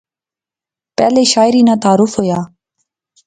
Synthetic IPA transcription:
pɛleʃaːjɾinat̪aːɾufoja

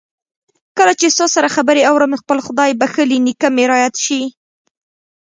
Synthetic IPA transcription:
kəlat͡ʃesosaɾaxabəɾeawɾəmxpəlxʊd̪ɑjbaxəlinikameɾɑjat̪ʃi

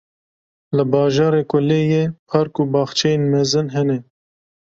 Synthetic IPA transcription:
ləbɑːʒɑːɾeːkʷʊleːjeːpʰɑɾkuːbɑːxt͡ʃʰɛjenmɛzɨnɦɛnɛ

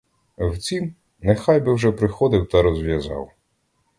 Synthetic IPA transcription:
wt͡sʲim | nexɑjbɪwʒɛpɾɪxɔd̪ɪwt̪ɐɾɔzʋʲjɐzɑ̰w

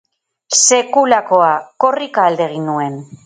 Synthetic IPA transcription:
se̞kulako̞ako̞rikaːld̪e̞ɣ̞inue̞n

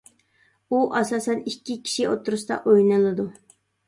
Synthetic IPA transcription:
uʔɑsɑːsɛnikʲːikʲʰi̥ʃiʔot̪ʰːʊɾust̪ɑ̰ʔojnɨlˠɨd̪u

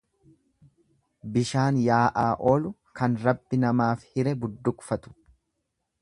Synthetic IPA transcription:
bɪʃaːnjaːʔaːʔo̞ːlʊ | kɐnɾɐbːɪnɐmaːfhɪɾɛbʊd̪ːʊkfɐt̪ʊ̥

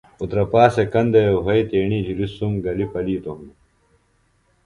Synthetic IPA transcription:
ut̪ɾɐpaːsekɐnd̪ɐjoɦɐit̪eːɳid͡ʑiɾisumɡɐlipɐliːt̪oɦun

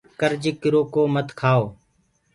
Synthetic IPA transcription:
kəɾd͡ʒikɪɾoːkoːmət̪kʰaːoː

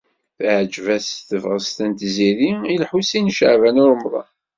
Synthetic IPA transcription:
θʕd͡ʒvæsθəvʁəst̪ænt̪ziɾiilħusinʃəʕvænʊɾmðˤɑ̰

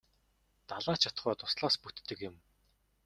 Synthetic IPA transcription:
t̪aɮaːt͡ɕʰat̪̆χɔːt̪ʊ̥sɮaːsput̪ːɘ̆kjɪ̆m

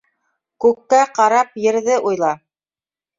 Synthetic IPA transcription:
kʉkːæqɑɾɑpjɘ̆ɾðɘʔujlˠɑ

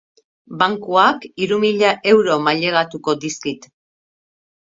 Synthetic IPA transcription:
baŋkuakiɾumiʎaʔe̞wɾo̞maʎe̞ɣ̞at̪uko̞d̪iskit̪

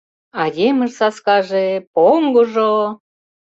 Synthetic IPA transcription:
ɑjemə̆ʃsɑskɑʒepoŋɡoʒo

